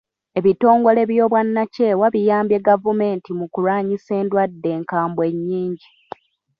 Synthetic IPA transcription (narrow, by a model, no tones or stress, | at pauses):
e̞βito̞ːŋɡo̞le̞βjo̞ːβwanːace̞waβijaːmbje̞ɡavume̞ːntimukuɾaːɲise̞ːndwadːe̞ːŋkaːmbwe̞ɲːiːɲɟi